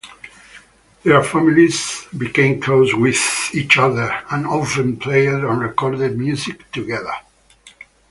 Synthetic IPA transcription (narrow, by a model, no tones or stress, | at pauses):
ðə˞familizbikẽɪ̃mkʰloswɪðit͡ʃʌðə˞ãnofə̃npʰleɪəɹə̃nɹɛkɔɹd̪ɛd̚mjuzikt̪uɡɛðə̰˞